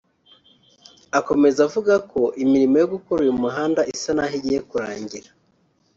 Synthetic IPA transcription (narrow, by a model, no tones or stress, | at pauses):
ako̞me̞zavuɡakʰo̞ʔimiɾimojoɡukoɾujumuɦaːndaʔisanaɦiɟije̞kuɾaːɲɟiɾa